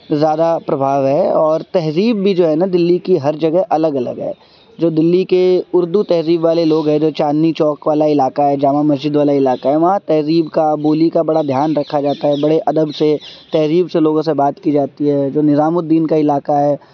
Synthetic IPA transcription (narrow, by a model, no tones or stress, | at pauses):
zjaːd̪apɾɐbʱaːʋɦɛɔːɾt̪ɛɦziːbːʱid͡ʒoːɦɛnad̪ɪlːikiɦɐɾd͡ʒɐɡəɦʔɐləɡɐlə̰ɡɦɛ̰ː | d͡ʒoːd̪ɪlːikeʊɾd̪ut̪ɛɦziːbʋaːleloːɡɦɛ̃d͡ʒoːt͡ʃaːnːit͡ʃɔːkʋaːlaɪlaːkaɦɛd͡ʒaːmãmɐzd͡ʒɪd̪ʋaːlaɪlaːkaɦɛʋɐɦãt̪ɛɦziːbkaboːlikabɐɽad̪ʱjaːnɾɐkʰːad͡ʒaːt̪aɦɛbɐɽeʔɐd̪əbset̪ɛɦɾiːbseloːɡõsebaːt̪kid͡ʒaːt̪iɦɛːd͡ʒoːnɪzaːmʊd̪ːiːnkaɪlaːkaɦɛː